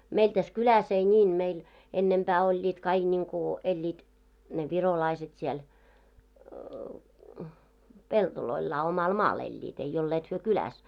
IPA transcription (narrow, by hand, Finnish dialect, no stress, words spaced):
meil tæs kylæs ei nʲiːn meil enːempæː olʲːiːt kɑiɡ̊ niŋku elʲːiːt ne ʋirolɑiset siel peltoloilːɑː omɑl mɑːl elʲːiːt ei olːeːt hyø kylæs